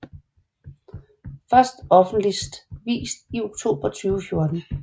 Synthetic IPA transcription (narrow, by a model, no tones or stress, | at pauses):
fɶɐsd̥ɒ̽fn̩d̥lisd̥ʋḭːsd̥io̝ɡ̥t͡sʰo̝̰ːb̥ɐt͡sʰyːʊəfjo̝ɐd̥n̩